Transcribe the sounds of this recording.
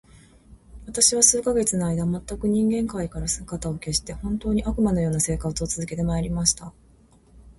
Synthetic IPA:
βat̪aɕiβasɨːkaɡe̞t͡sɨnoaid̪amat̪ːakɯ̟ɲ̟ĩŋɡẽ̞ŋkaikaɾasɨkat̪ao̞ke̞ɕi̥t̪e̞hõ̞nt̪o̞ːɲ̟iʔakɯ̟mano̞jo̞ːnase̞ːkat͡sɨo̞t͡sɨzɨke̞t̪e̞maeɾʲimaɕi̥t̪a

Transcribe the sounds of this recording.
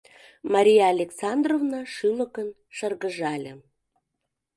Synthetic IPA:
mɑɾʲijɑːlʲeksɑnd̪rovnɑʃyləkən | ʃərɣəʒɑlʲe

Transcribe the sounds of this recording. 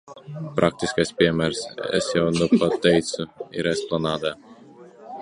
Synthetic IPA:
pɾʔak̚t̪ʲiskajspʲiɛmʲæɾsɛ̰sjɛwnupat̪ʲːɛjt̪sʊḭɾɛsplˠanɑːd̪aː

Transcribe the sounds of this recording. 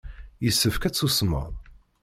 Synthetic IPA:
jəsːəfkæt͡sːusmə̰ðˤ

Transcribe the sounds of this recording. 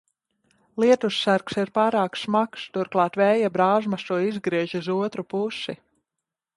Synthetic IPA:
lˠiɛt̪usːaɾksiɾpaːɾaːksmakst̪uɾklˠɑːt̪vɛːjabɾaːʒmasuːizɡɾiɛʒizuɔt̪ɾupusi

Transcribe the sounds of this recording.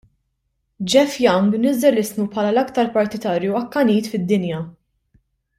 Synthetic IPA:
d͡ʒɛfjɐŋɡnɪzɛlɪsmupħɐːlɐlɐkt̪ɐɾpɐɾt̪ɪt̪ɐːɾjuɐkːɐniːt̪fɪd̪ːɪnjɐ

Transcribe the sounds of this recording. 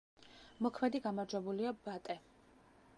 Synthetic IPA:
mɔkʰmɛd̪iɡamaɾd͡ʒwɛbuliabat̪ʼɛ

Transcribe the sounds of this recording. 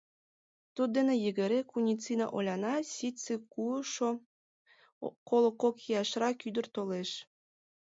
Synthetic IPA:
t̪ud̪̚ːenĕjəɣə̆ɾekunʲit͡sinɑ̰ʔolʲɑnɑsit͡sekuʃo | kolˠokokijɑʃrɑkyd̪ə̆rt̪oleʃ

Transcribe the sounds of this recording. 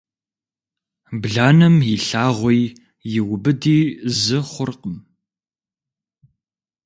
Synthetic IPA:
bɮaːnɨmjɪɬaːʁʷɔj | jɪwʊbɨdiːzɨχʷʊrqəm

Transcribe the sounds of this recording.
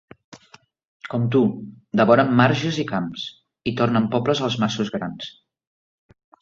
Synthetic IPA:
kɔmt̪u | d̪əβɔɾəmːaɾʒəzikams | it̪ornəmpɔpləzəlˠzmasuzɣɾans

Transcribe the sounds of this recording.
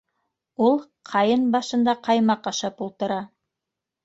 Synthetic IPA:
ulˠ | qʰɑjɤnbɑʃɤ̆nd̪ɑqʰɑjmɑqɑʃɑpulˠt̪ɤ̆ɾɑ

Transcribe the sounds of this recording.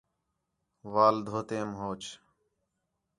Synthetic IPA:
ʋaːld̪ʱoːt̪eːmɦoːt͡ʃ

